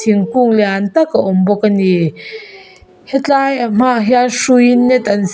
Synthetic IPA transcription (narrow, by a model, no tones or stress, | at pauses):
iŋkuŋlɛant̪akaʔɔmbɔkːani | hɛt͡ɬaːjam̥aʔɦjanʂujinːɛt̪ʔɐns